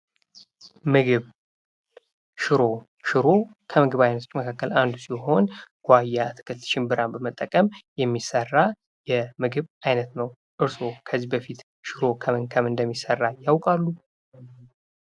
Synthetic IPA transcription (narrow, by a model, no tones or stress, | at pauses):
mɨɡɨβ | ʃɪɾo̞ | ʃɨɾo̞kʰəmɨɡɨβajnət̪ʰot͡ʃʼːməkʰakːəland̪usiɦo̞nɡ̥ʷajːat̪ʰɨ̥kʰət̪ʃɪmbɨɾambəmət̪ʼːəkʼəmjɛmːisərːa | jɛmɨɡɨβajnət̪nəw | ʔɨɾso̞kʰəzːibəfit̪ | ʃɨɾo̞kʰəməŋkʰəmɨnd̪əmːisərːajawkʼalːu